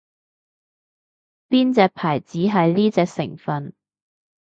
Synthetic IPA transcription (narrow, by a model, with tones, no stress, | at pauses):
piː˥nt͡sɛː˧k̚pʰaː˨˩jt͡siː˨˥ɦɐ˨jnliː˥t͡sɛː˧k̚sɪ̰˨˩ŋfɐ˨n